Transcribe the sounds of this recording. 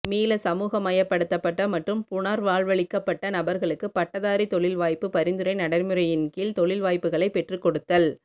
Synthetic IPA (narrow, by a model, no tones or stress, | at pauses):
miːlɐsɐmuːɣɐmɐjɐpːɐɽɯt̪ːɐpːɐʈːɐmɐʈrɯmpʊɳaɾʋaːɭʋɐɭɪkːɐpːɐʈːɐnɐbɐɾɣɐɭɯkːɯpɐʈːɐðaːɾit̪ɔɭɪlʋaːjpːɯpɐɾɪnd̪ɯɾɐɪnɐɽɐɾmɯɾɐjɪnkilt̪ɔɭɪlʋaːjpːɯɣɐɭɐɪpːɛʈrɯkːɔɽɯt̪ːɐl